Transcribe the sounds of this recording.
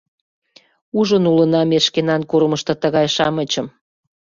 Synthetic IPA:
uʒənulənɑmeʃkenɑnkuɾməʃt̪ɤ̆t̪əɣɑjʃɑmət͡ɕəm

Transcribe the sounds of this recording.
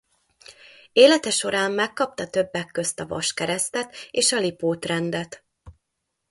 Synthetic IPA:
eːlɛt̪ɛʃo̞ɾaːmːɛkːɒp̚t̪ɒt̪ø̞bːɛkːøst̪ɒvɒ̰ʃkɛɾɛst̪ɛt̪eːʃɒlipoːt̪rɛnd̪ɛt̪

